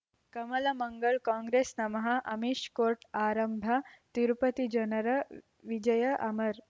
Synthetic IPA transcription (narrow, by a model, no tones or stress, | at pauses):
kɐmɐlɐmɐŋɡəɭkãːŋɡɾesnɐmɐɦɐʔɐmiʂkoːɾʈʰaːɾɐmbʱat̪iɾupət̪id͡ʒɐnɐɾɐ | ʋid͡ʒɐjəʔɐmɐɾ